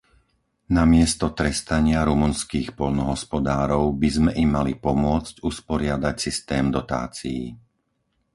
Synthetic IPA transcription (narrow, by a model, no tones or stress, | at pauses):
namɪɛst̪ɔt̪ɾɛst̪aɲɪaɾumunskiːxpɔʎnɔɦɔspɔd̪aːɾɔʊbizmɛʔimːalipɔmʊɔt͡scuspɔɾɪad̪acsist̪ɛːmd̪ɔt̪a̰ːt͡sijḭ